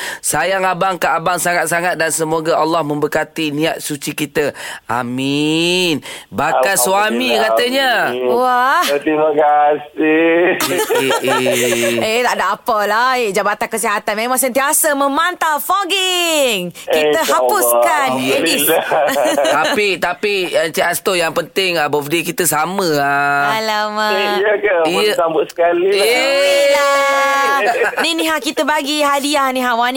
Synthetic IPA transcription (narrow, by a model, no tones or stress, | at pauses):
sajaŋabaŋkaʔabaŋsaŋat̪̚saŋat̪̚dansəmoɡaʔalːahmə̃mbəkat̪iniat̪̚sut͡ʃikit̪əa̰minbakanswamikat̪əɲawaht̪imakasi | et̪aʔdaʔːpəlaiʔd͡ʒabat̪ankəsiɦat̪anmemaŋs̬ənt̪iasəmə̃mant̪afɔɡɪŋkit̪əɦapʊskanei | t̪apit̪apiat͡ʃiast̪ojaŋpənt̪ɪŋabəfdikit̪əsaməaalamajəkəiambʊskaliela | nĩnĩɦakit̪əbaɡiɦadiahnĩɦawanĩ